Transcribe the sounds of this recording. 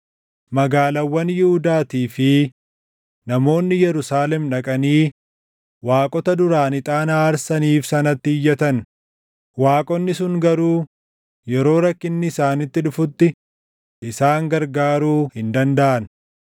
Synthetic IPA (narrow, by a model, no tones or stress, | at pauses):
mɐɡaːlɐwːɐnjɪhʊd̪aːt̪iːfɪ | nɐmo̞ːnːɪjɛɾʊsaːlɛmᶑɐkʼɐniː | waːkʼɔt̪ɐd̪ʊɾaːnɪt̪ʼaːnaːɾsɐniːfsɐnɐt̪ːɪɪjːɛt̪ɐn | waːkʼɔnːɪsʊŋɡɐɾuː | jɛɾo̞ːɾɐkːɪnːɪːsaːnɪt̪ːɪᶑʊfʊt̪ːɪ | ʔɪsaːŋɡɐɾɡaːɾuːhɪnd̪ɐnd̪ɐʔɐn